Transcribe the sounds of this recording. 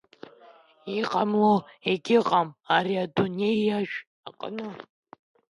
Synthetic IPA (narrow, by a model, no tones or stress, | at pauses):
iqʼamloeɡʲɪqʼamaɾiadonejaʒʷᶣ | aqʼə̰nɨ